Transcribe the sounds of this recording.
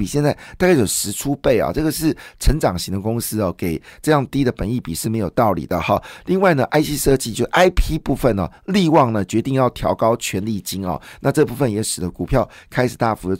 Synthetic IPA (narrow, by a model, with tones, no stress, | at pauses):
i˨˩ɕjɛ˥˧nt͡sa˥˩ɪt̪a˥˧ka˥ɪjo˨˩ʊʂɻ̩˧˥ʈ͡ʂʰu˥pe˥˩ɪɑ̰˨˩ʈ͡ʂɤ˥˩ɡə˩ʂɻ̩˥˩ʈ͡ʂʰə˧˥nʈ͡ʂɑ˨˩ŋɕi˧˥ŋd̪ə˧kʊ˥ŋsɹ̩˥ɐ˨˩ke˨˩ɪʈ͡ʂɤ˥˧jɑ˥˩ŋt̪i˥d̪ə˨pə˨˦ni˥˩pi˨˩ʂɻ̩˥˩me˧˥ɪjo˨˩ʊt̪ɑ˥˩ʊlḭ˨˩d̪ə̰˦xɑ˨li˥˧ŋwa˥˩ɪnə˩ʔa˥ɪɕi˥ʂɤ˥˧t͡ɕi˥˧t͡ɕjo˥˧ʂʔa˥ɪpʰi˥pu˥˧˩fə˨˩nɐ̰˩li˥˧wɑ˥˩ŋnə˩t͡ɕɥɛ˧˥t̪i˥˧ŋjɑ˥˩ʊt̪ʰjɑ˧˥ʊkɑ˥ʊt͡ɕʰɥɛ˧˥nli˥˧˩t͡ɕi˥ŋɐ̰˨na˥˧ʈ͡ʂɤ˥˧pu˥˧˩fə˨˩njɛ˨˧˥ʂɻ̩˨˩d̪ə˦ku˨˩pʰjɑ˥˩ʊkʰa˥ɪʂ̩˨˩t̪a˥˩fu˧˥˧